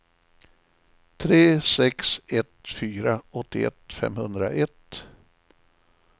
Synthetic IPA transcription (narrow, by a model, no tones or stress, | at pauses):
t̪ʰɾeːsɛksɛt̪fyːɾaɔt̪ːɪɛ̰t̪fɛ̰mhɵnd̪ɾaʔɛt̪